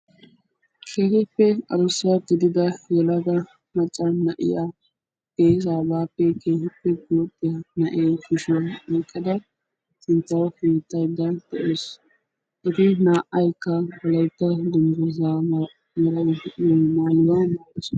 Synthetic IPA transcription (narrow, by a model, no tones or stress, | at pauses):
kʰeːhɪpːɛɐ̰ɾʊsɐɡɪd̪ɪd̪ɐjɛlɐɡ̪ɐ | mɐt͡ʃʼːɐnɐʔɪ̰ja | b̥eːzaːbaːpːɛkʰeːhɪpːɛɡʊjɔpʼːɪjɐnɐʔeːkʊʃɪwɐɛkʼːɐd̪ɐ | sɪnt̪ːɐwkiːt̪ːɐjd̪ɐd̪̥ɛʔeːs | ʔɪt̪ɪnaːʔɐjkːɐbɐlɐjt̪ːɐd̪ʊnd̪ɔza | mɐɾɐjmaːlʊwɐmaːkʼːɪs